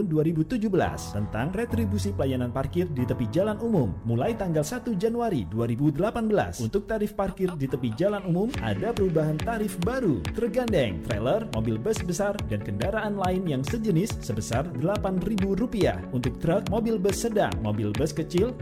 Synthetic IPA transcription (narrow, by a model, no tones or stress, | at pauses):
ʊnduaɾibut̪ud͡ʒʊbəla̰st̪ənt̪aŋrɛt̪ɾibusipəlajananparkɪrdit̪əpihd͡ʒalanumʊmːulajt̪aŋɡalsat̪ud͡ʒanuaɾiduaɾibudəlapanbəla̰sunt̪ʊk̚t̪aɾɪfparkɪrdit̪əpihd͡ʒalanumʊmʔa̰dapəɾubaɦant̪aɾɪfbaɾut̪ərɡandɛŋt̪ɾḛlərmobɪlbəsbəsardankəndaɾaʔːnlaɪnjaŋsəd͡ʒənɪsːəbəsardəlapanribuɾupia̰hunt̪ʊk̚t̪ɾək̚mobɪlbəsːəda̰ŋmo̰bɪlbəskət͡ʃɪl